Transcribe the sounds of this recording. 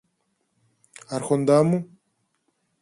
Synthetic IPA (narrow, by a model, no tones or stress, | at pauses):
aɾxond̪amu